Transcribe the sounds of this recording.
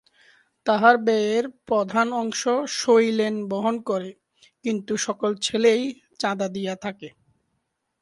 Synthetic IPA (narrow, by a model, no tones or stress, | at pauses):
t̪aɦaɾbɛeɾpɾod̪ʱanɔŋʃoʃojlenboɦonkoɾe | kint̪uʃɔkolt͡ɕʰelej | t͡ɕãd̪ad̪ijat̪ʰake